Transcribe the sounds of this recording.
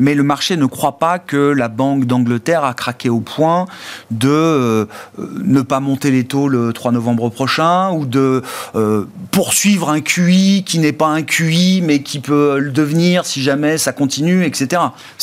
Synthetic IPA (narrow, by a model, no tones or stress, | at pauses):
mɛləmaʁʃenəkχwapakəlabɑ̃kd̪ɑ̃ɡlət̪ɛʁakχakʲeopʰwɛ̃d̪ə̰ | nəpamɔ̃t̪elet̪olət̪χwanɔvɑ̃bʁəpχɔʃɛ̃ud̪ə | puʁsɥivʁɛ̃kʲikʲinɛpaɛ̃kʲimɛkʲʰipøləd̪əvniʁsiʒamɛsakɔ̃t̪inyɛkset̪eʁa